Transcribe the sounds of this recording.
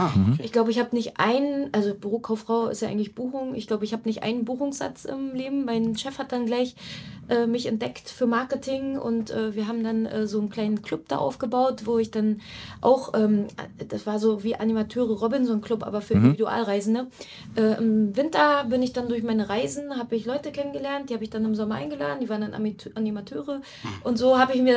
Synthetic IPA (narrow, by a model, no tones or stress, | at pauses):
ʔɪçɡ̥laʊbəɪçhaːbənɪçtʔa̰ɪnənʔalzob̥əʁoːkʰaʊfʁ̥aʊɪ̰stjaʔaɪŋtlɪçb̥uːxʊŋɪ̰çɡ̥laʊbəɪçhaːbənɪçtʔa̰ɪnənbuːxʊŋsz̥a̰t͡sʔɪ̰mleːbm̩maɪnʃɛfhat̚d̥anɡlaɪçʔɛːmɪçɛntd̥ɛktfyːɐmaɐkətʰɪŋʔʊ̰ntʔɛːviːɐɦaːbm̩danʔɛ̰ːzoːnkʰl̥aɪnənkʰl̥ʊp̚d̥a̰ːʔa̰ʊfɡ̥əbaʊtv̥oːɪçd̥anʔa̰ʊxʔɛːm̰d̥asv̥aːɐzoːviːʔanimatʰøːʁəʁɔbɪnzoːnkʰlʊpʔa̰ːbɐfyːɐʔɪndiividuʔa̰ːlʁaɪzn̩ə | ʔɛːʔɪmvɪntɐbɪnɪçd̥andʊɐçmaɪnəʁaɪzn̩ɦaːbəɪçlɔʏtəkʰɛnənɡəlɛɐnt̚d̥ihaːbəɪçd̥anɪmzɔmɐʔaɪnɡəla̰ːdntd̥ivaːʁəndana̰miʔanimatʰøːʁə | ʔʊntz̥oːhaːbəɪçmiːɐ